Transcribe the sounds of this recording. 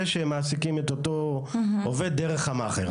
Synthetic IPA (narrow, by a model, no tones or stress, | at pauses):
eʃeemːaːsikimet̪ot̪oovedːeʁe̞χhamaχḛʁ